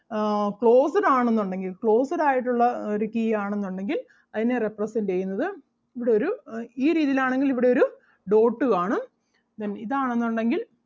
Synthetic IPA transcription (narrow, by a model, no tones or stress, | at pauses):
kɭo̞ːsɐɾaːɳenːuɳɖe̞ŋɡilkɭo̞ːsɐɾaːjiʈ̬ːuɭːɐoɾukiːjaːɳenːuɳɖe̞ŋɡil | ɐðine̞reprɐsɐnɖe̞jːunːɐðɨ | iʋiɽe̞o̞ɾuiːɾiːðijilaːɳe̞ŋɡiliʋiɽe̞o̞ɾu | ɖo̞ːʈːɨkaːɳum | t̪ɐnːiðaːɳenːuɳɖe̞ŋɡil